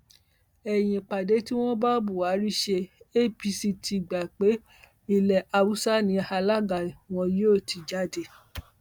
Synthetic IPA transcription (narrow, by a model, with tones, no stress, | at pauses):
ɛ˨j̃ĩ˨k͡pa˨de˨˦ti˦w̃ɔ̃˦ba˦bu˨wa˨˦ɾi˦ʃe˧e˦˨pi˧si˧tʰi˨ɡ͡ba˨k͡pe˨˦ | i˧˨lɛ˨ʔa˧wu˦sa˦nĩ˧˦˧a˧la˦ɡa˨w̃ɔ̃˧je˦o˦˨ti˨d͡ʒa˦de˧